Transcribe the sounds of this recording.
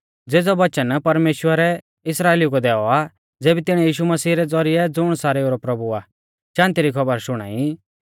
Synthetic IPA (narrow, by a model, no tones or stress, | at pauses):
d͡zeːd͡zɔʋɐt͡ʃənpɐɾmeːʃwəɾɛ | ɪsɾaːeːliukod̪ɛːɔa | d͡zeːbit̪ɪɽ̃ɛjiːʃumɐsiːɾɛd͡zɔɾɪɛd͡zʊɽ̃saːɾɛoːɾɔpɾɐbua | ʃãːnt̪iɾikʰɐbəɾʃʊɽ̃a̰ːi